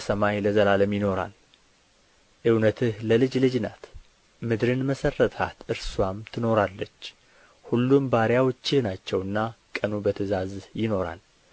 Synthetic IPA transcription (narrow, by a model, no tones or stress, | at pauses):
səmajləzəlaləmjɪno̞ɾa̰l | ʔɨwnət̪ʰɨhləlɨd͡ʒlɨd͡ʒna̰t̪ | mɨd̪ɾɨnməsərːət̪ʰat̪ʔɨɾswamt̪ʰɨno̞ɾalːət͡ʃː | hulːumbaɾjawɔt͡ʃːɪhnat͡ʃːɛwɨnːakʼənubət̪ʰəzazjɪno̞ɾa̰l